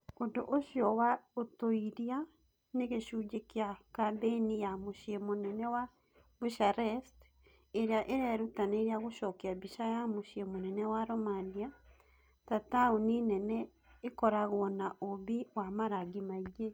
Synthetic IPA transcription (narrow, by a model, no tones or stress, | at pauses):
ondoʔoʃjɔwaotoiɾia | neɣeʃud͡ʒekeakabenijamoʃiemonɛnɛwa | buʃaɾɛst | eɾeaʔeɾɛɾutaneːɾeaɣoʃɔkeabiʃajamoʃiemonɛnɛwaɾɔmania | tatauninɛnɛ | ekɔɾaɣwɔnaʔoβiwamaɾaɣimaiɣe